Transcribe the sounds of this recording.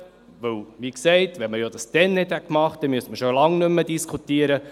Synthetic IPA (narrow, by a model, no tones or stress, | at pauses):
ʋɵwʋiːksɛɪtʋɛnməjodɑsd̥̪ɛnːɛtækmɑχt̚d̥ɛmyəsməʃolɑŋnʏmːədiskʰutiəɾə